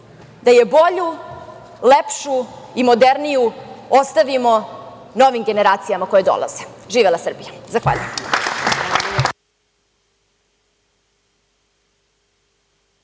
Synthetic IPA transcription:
d̪ajebo̞ʎu | lepʃuimo̞d̪eɾnijuost̪aʋimo̞ | no̞ʋimɡe̞ne̞ɾaːt̪sijamako̞jed̪o̞̰lˠa̰ze̥ʒiːʋelˠasr̩bijazaxʋa̰ːʎujem

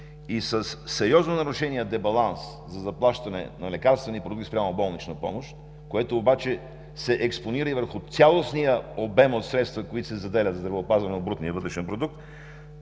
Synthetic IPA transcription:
isəsːɛɾɔznonɐɾʊʃɛniɛd̪ɛbɐlˠans | zɐzɐplˠaʃt̪ɐnɛ̰nɐlɛkaɾst̪vɛnipɾod̪ukt̪spɾʲamobɔlˠnit͡ʃnəpɔ̰moʃt̪ | koɛt̪oːbat͡ʃɛ | sɛʔɛksponiɾəivəɾxʊt̪sʲalˠosnijəobɛmot̪sɾɛt̪st̪vəkoit̪osɛzɐd̪ɛlʲət̪zd̪ɾvɛːpazvɐnɛod̪bɾut̪nijəvət̪ɾɛʃɛnpɾod̪uk̚t̪

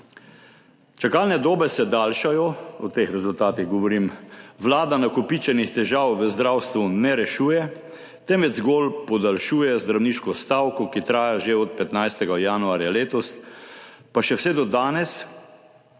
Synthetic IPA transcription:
t͡ʃakaːlnɛd̪oːbɛsɛd̪aːlʃajɔɔt̪exɾɛzult̪aːt̪iɣɡɔʋɔɾiːmʋlaːd̪anakɔpit͡ʃɛnixt̪ɛʒaːwʋəzd̪ɾawst̪ʋunɛɾɛʃuːjɛ | t̪ɛmʋɛzɡoːlpɔd̪alʃuːjɛzd̪ɾawniːʃkɔst̪aːwkɔkit̪ɾaːjaʒeɔt̪̚pɛt̪najst̪ɛɡajaːnuaːɾjaleːt̪ɔst̪ | paʃɛwsɛd̪ɔd̪aːnɛs

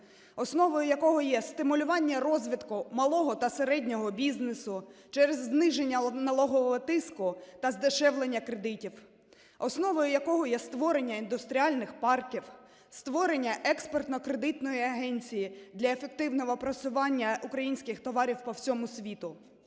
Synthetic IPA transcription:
ɔsnɔʋɔjʊjɐkɔɦɔjɛst̪ɪmʊlʲʊʋɑnʲːɐɾɔzʲʋʲit̪kʊmɐlˠɔɦɔt̪ɐseɾɛdʲnʲɔɦɔbʲiznesʊt͡ʃɛɾezːnɪʒenʲːɐnɐlˠɔɦɔʋɔɦɔt̪ɪskʊt̪ɐzd̪ɪʃɛwlˠenʲːɐkɾed̪ɪtʲiw | ɔsnɔʋɔjʊjɐkɔɦɔjɛst̪ʋɔɾe̞nʲːɐind̪ʊst̪ɾʲiɑlʲnɪxpɑrkʲiw | st̪ʋɔɾe̞nʲːɐʔɛkspɔrt̪nɔkɾed̪ɪt̪nɔjiɐɦɛnʲt͡sʲijid̪lʲɐefe̞k̚t̪ɪwnɔʋɔpɾɐt͡ssʲʊʋɑnʲːɐʔʊkɾɐjinʲsʲkɪxt̪ɔʋɑɾʲiwpɔwsʲɔmʊsʲʋʲit̪ʊ

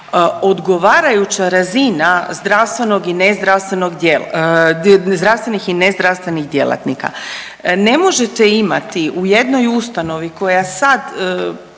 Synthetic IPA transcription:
o̞d̪ɡo̞ʋaːɾajut͡ɕaɾazinazd̪ɾaʋst̪ʋe̞no̞ɡinezd̪ɾast̪ʋe̞no̞ɡd̪jel | zd̪ɾast̪ʋe̞nixinezd̪ɾaʋst̪ʋe̞niɣd̪je̞̰lˠa̰t̪nḭka̰ | ne̞mo̞ʒet̪eima̰t̪iʔuje̞d̪no̞just̪ano̞ʋiko̞jasad̪

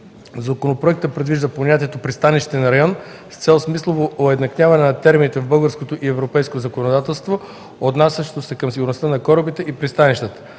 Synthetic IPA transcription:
zɐkonopɾoɛk̚t̪əpɾɛd̪viʒd̪ɐpoɲʲat̪iɛt̪opɾist̪aniʃt̪i̥t̪ɛnɐɾɐjɔn | st̪sɛlˠsmislˠovoʔoɛd̪nɐknʲavɐnɛnɐt̪ɛɾminit̪ɛvbɤlˠɡəɾskot̪oʔiɛvɾopɛjskozɐkonod̪at̪ɛlˠst̪vo | od̪nasʲəʃt̪osɛkəmsiɡʊɾnost̪anɐkɔɾəbit̪ɛʔipɾist̪aniʃt̪ət̪ə̥

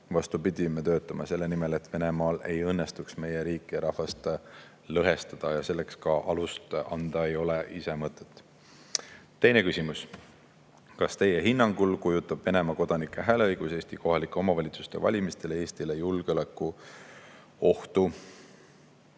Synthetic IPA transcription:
vɑst̪upid̪̥ʲimet̪ø̞ːt̪ːˑɑmɑse̞lːenime̞le̞t̪ve̞ne̞mɑːle̞̰jɤnːest̪uksme̞jeɾiːkːˑiɾɑhvɑst̪ | lɤɦe̞st̪ɑd̪̥ɑjɑse̞lːe̞kskɑʔɑlust̪ɑnd̪̥ɑe̞jo̞leʔise̞mɤt̪ːˑe̞̥t̪ːˑ | t̪ːe̞jne̞kysimus | kɑst̪e̞jeɦinːɑŋɡ̥ulkujut̪ːˑɑb̥ve̞ne̞mɑko̞d̪̥ɑnikːˑeɦæːleɤjɡ̥useːst̪iko̞ɦɑlikːˑeo̞mɑvɑlʲit̪su̥st̪e̞̰vɑ̰lʲimist̪e̞lee̞ːst̪ile̞julɡ̥eo̞lekˑːu | o̞ht̪u

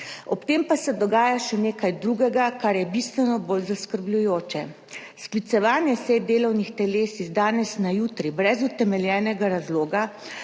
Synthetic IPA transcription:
ɔpt̪eːmpasɛd̪ɔɡaːjaʃɛneːkajd̪ɾuːɡɛɡakaɾjɛbist̪ʋɛnɔboːlzaskəɾblʲujoːt͡ʃɛ | sklit̪sɛʋaːnjɛsɛd̪eːlɔwnixt̪ɛleːsizd̪aːnɛsnajuːt̪ɾibɾɛzut̪ɛmɛljɛːnɛɡaɾazloːɡa

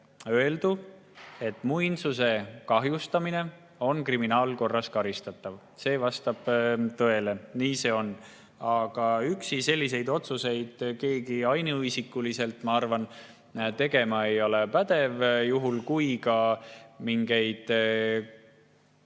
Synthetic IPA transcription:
ø̞e̞ld̪u | e̞t̪ːˑmujnsuse̞kɑɦjust̪ɑmine̞ | o̞nkriminɑːlko̞rːɑskɑɾist̪ɑt̪ːˑɑv | se̞ːvɑst̪ɑb̥t̪ɤe̞le̞niːse̞ːo̞n | ɑɡ̥ɑyksise̞lʲːise̞jd̪o̞t̪suse̞jd̪̥ke̞ːɡiɑjnuɯjsikːˑulise̞lt̪mɑɑrvɑn | t̪e̞ɡ̥e̞mɑejo̞lepæd̪̥e̞vjuɦulkujkɑmiŋɡe̞jd̪̥

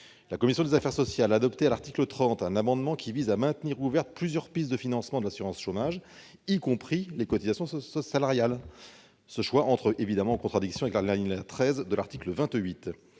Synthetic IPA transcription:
lakɔmisjɔ̃d̪ezafɛʁsɔsjalaːd̪ɔpt̪ealaʁt̪iklət̪χɑ̃t̪ɛ̃namɑ̃d̪mɑ̃kʰʲivizamɛ̃t̪niʁuvɛʁt̪̚plyzjœʁpis̬d̪əfinɑ̃smɑ̃d̪əlasyʁɑ̃sʃomaʒ | ikɔ̃pχilekɔt̪izasjɔ̃salaʁjal | səʃwaʔɑ̃t̪χəʔevid̪amɑ̃ːkɔ̃t̪χad̪iksjɔ̃avɛklalɛliɲlat̪χɛzd̪əlaʁt̪ikləvɛ̃t̪ɥit̪

